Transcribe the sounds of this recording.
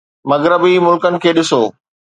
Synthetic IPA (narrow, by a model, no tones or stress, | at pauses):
mɐɣɾəbimʊlkənɪ̆kʰeːɗɪsoː